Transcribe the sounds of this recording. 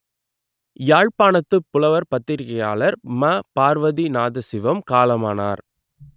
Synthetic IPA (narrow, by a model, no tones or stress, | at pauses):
jaːɻpaːnɐt̪ːɯpːʊlɐʋɐɾpɐt̪ːɪɾɣɐja̰ːɭɐɾmɐpaːɾʋɐðinaːðɐsɪʋɐmkaːlɐmaːna̰ːɾ